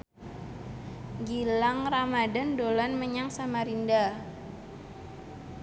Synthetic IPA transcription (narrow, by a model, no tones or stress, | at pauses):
ɡilaŋramadandolanməɲaŋsamaɾinda